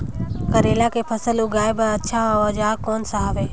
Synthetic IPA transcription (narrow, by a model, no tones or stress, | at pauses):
kəɾeːlakʰepʰɐsəluɡaːɪbɐtːʃʰaɦoəd͡ʒaːɾkoːnsaɦəʋeː